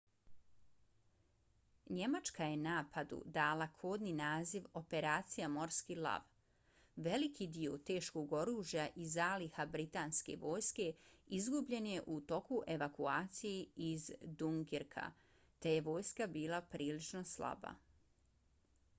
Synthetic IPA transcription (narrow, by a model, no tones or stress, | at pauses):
ɲe̞mat͡ʃkaje̞naːpʰad̪ṵd̪aːlakʰoːd̪ninaːziʋo̞pe̞ɾaːt̪sijamo̞ɾskilˠa̰ʋ | ʋe̞likʰid̪iot̪e̞ːʃko̞ɡo̞ɾuːʒjaʔizaːlihabɾit̪aːnske̞̰ʋo̞ːjske̞izɡubʎe̞nje̞ʔut̪o̞kuʔe̞ʋakuaːt̪sijeizd̪uŋɡiɾkʰa̰ | t̪e̞je̞ʋo̞ːjskabiːlˠapɾʔiːlit͡ʃno̞slˠa̰ba̰